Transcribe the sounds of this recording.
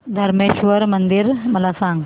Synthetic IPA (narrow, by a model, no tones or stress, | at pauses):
d̪ʱəɾmeɕʋəɾmənd̪iɾməlasãŋɡ